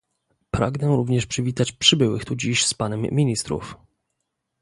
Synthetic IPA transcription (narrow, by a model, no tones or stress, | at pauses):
pɾa̰ɡnɛɾuvɲɛʂpʂɘvʲit̪at͡ɕpʂɘbɘwɘ̰xt̪ud͡ʑiɕspanɛmːʲiɲist̪ɾṵf